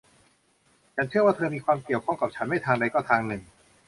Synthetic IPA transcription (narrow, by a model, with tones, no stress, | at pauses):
t͡ɕʰa˦˥nt͡ɕʰɯ˥˩ɐwaː˥˩t̪ʰɤː˧miː˧kʰwaː˧mki˨˩əwkʰɔ˥˩ŋka˨˩t͡ɕʰa˦˥nma˥˩t̪ʰaː˧ŋɾa˧jkɔː˥˩t̪ʰaː˧ŋnɯ˨˩ŋ